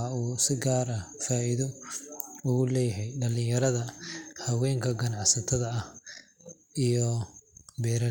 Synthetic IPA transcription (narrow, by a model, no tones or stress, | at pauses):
auːsɪɡaːɾɐfaːiðɔ | ʊɣʊlɛːjɦɛjɖɐlɪ̃jɐɾɐðɐhɐwɛːŋkʰɐɡɐnɑʕsɐt̪ʰɐðɐɐh | ijɔ | bɛːɾɐ